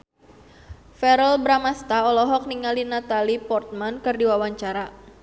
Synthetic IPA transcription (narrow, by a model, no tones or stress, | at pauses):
fɛɾəlbɾamast̪aɔlɔɦɔk̚niŋalinat̪alipɔrt̪̚mankɨrdiwawaɲt͡ʃaɾa